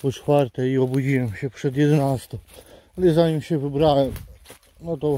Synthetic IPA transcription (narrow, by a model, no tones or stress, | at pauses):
pɔt̪faɾt̪ɛiɔbud͡ʑiwɛmɕɛpʂɛd̪jɛd̪ɛnast̪ɔ̃ | alɛzaɲimɕɛvɘbɾawɛm | nɔt̪ɔ